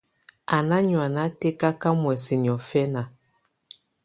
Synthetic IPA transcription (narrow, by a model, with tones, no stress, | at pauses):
a˨na˦ɲwa˨na˦te˦ka˦ka˦mwɛ˨si˨ni˨ɔ˨fɛ˦na˨